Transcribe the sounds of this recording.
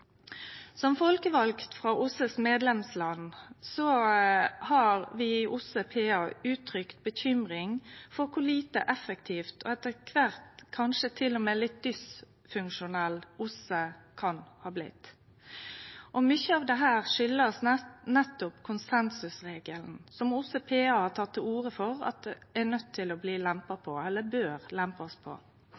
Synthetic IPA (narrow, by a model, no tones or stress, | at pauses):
sɔmfɔlkəʋɑlkt̪fʁɑʔʊsəsmeːd̪lɛmslɑnsɔ | hɑʁʋɪʔʊsəpʰeːɑʉːt̪ʰɾʏkt̪̚bəçʏmʁɪŋfɔʁkʰʊliːt̪ə̰ʔɛfːəkt̪ʰiːft̪ʰɔ̰ɛt̪ːəkʰʋæʁt̪kʰɑnʂət̪ʰɪlːɔmeːlɪt̪̚d̪ʏs | fʉŋkʃʊnɛlːʊsəkʰɑnhɑːblɪ̰t̪ː | ʔɔmʏçəɑʋd̪ɛɦæːʁʂʏlːəsnɛt̪ːʊpkʰʊnsɛnsʉsʁeːɡəln̩sɔmʊsəpʰeːɑhɑt̪ʰɑt̪ʰːəuːʁəfɔʁɑ̰t̪̚d̪ɛænœt̪ʰːɪlɔbliːlæmpɑpʰɔɛlːəbøːʁlæmpɔspʰɔ̰